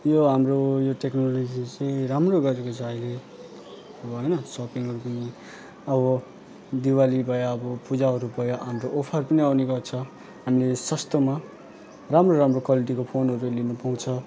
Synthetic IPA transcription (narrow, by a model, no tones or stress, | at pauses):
joɦamrojoʈeknolod͡zit͡sʌj̃ɾamroɡʌɾekot͡sʰʌʌjle | ʌbʌɦʌjnʌsʌpiŋɦʌɾupʌni | ʌbʌ | d̪iwalibʱʌjaːbʌpud͡zaɦʌɾubʱʌjaɦamroʔopʰʌrpʌniʌwniɡʌrt͡sʰʌ | ɦamilesʌst̪ʌma | ramroɾamrokwaliʈikopʰonɦʌɾulinupaw̃t͡sʰʌ